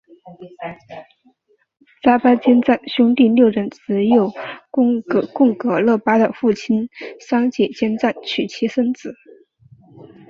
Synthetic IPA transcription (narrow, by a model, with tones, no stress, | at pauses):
t͡sa˥pa˥t͡ɕjɛ˥nt͡sa˥˩nɕjʊ˥ŋt̪i˥˧ljo˥˧ʊɻə˥˩nt͡sɹ̩˧˥jo˥˩ʊ˩ | kʊ˥˩ŋkɤ˧˥lɤ˥˩pa˥d̪ə˨fu˥˩t͡ɕʰi˥nsɑ˥ŋt͡ɕɛ˨˩t͡ɕjɛ˥nt͡sa˥˩nt͡ɕʰy˨˩t͡ɕʰi˧˥ʂə˥nt͡sɹ̩˨˩˦